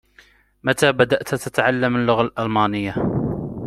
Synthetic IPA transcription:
mat̪aːbad̪aʔt̪t̪at̪aʕalːamalːʊɣalʔalmaːnɪjːa

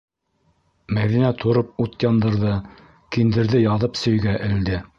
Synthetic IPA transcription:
mæðinæt̪ʰŏɾɤp̚ut̪jɑnd̪ɤ̆ɾðɤ | kind̪ɘ̆ɾðɘjɑðɤpsɵ̆jɡæʔɘ̆ld̪ɘ

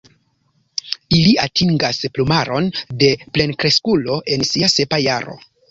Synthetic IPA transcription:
iliatʰiŋɡasplumaɾo̞nde̞ple̞nkɾe̞skulo̞ʔe̞nsiase̞pajaɾo̞̰

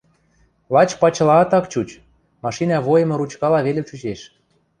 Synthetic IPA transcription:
lɑt͡ɕpɑt͡ɕɤ̆lɑt̪ɑkt͡ɕut͡ɕ | mɑʃinɑβojə̆mɤ̆ɾut͡ɕkɑlɑβelĕmʃuʑeʃ

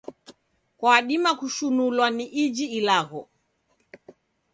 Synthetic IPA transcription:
kwaːɗimakuʃunulwaniʔid͡ʒiːlaɣɔ

